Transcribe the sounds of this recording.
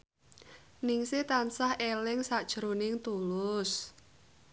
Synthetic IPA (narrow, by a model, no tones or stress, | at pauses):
nɪŋsɪt̪ansahelɪŋsad̥ʒ̥ɾonɪŋt̪ulʊs